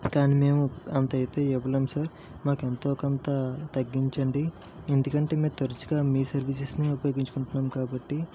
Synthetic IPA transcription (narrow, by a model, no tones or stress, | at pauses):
kaːnimeːmuɐnt̪ɐjt̪e̞ːɛʋɐlemsaːɾ | maːkent̪oːkɐnt̪ɐt̪ɐɡːiɲt͡ʃɐɳɖi | end̪ukɐɳʈe̞ːmeːt̪ɐɾɐt͡ʃuɡaːmiːsɐɾʋis̬ɐsniupɐjo̞ːɡiɲt͡ʃukuɳʈunːaːmkaːbɐʈːi